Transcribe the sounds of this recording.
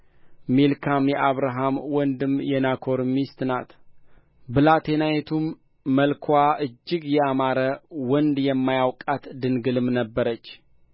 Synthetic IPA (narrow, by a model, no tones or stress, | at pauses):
melkʰamjɛʔaβɾaɦamwɔnd̪ɨmjɛnakʰo̞ɾmist̪na̰t̪ | bɨlat̪ʰenajet̪ʰumː | əlkʰwʷaʔɨd͡ʒːɪɡjɛamaɾəwɔnd̪jɛmːajawkʼat̪d̪ɨnɡɨlɨmnəbːəɾət͡ʃː